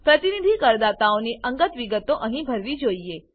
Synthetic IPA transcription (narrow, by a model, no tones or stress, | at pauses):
pɾət̪inid̪ʱikəɾd̪at̪aoniʔəŋɡət̪ʋiɡət̪oʔəɦĩbʱəɾʋid͡ʒoie